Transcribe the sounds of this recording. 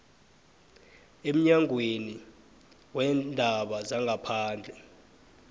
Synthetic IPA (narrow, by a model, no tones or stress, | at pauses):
em̩ɲaŋʱweni | wɛndʱaɓazaŋɡʱapʰaːnd͡ɮʱɛ